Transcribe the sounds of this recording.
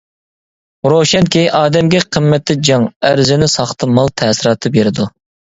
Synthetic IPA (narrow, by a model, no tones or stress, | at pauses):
ɾoʃɛnkʲʰiʔɑːd̪ɛmɡʲɛqʰəmːɛt̪ːɪd͡ʒɑŋæɾzɪnɪsɑχt̪ʰɨmɑlˠt̪ʰɛːsɪɾɑːt̪ʰɨbeɾɪd̪u